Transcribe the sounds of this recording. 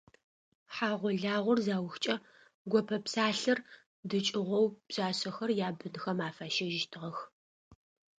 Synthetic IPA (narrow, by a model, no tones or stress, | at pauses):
ħaːʁʷɔɮaːʁʷɔrzaːwxt͡ʃʼɐ | ɡʷɔpʰɐpsaːɬɐr | dɨt͡ʃʼɪʁʷɔwb̥ɕʼaːɕɐxɐrjaːbɨnxɐmaːfaːʃɐʒɪʃtʰɨʁɐx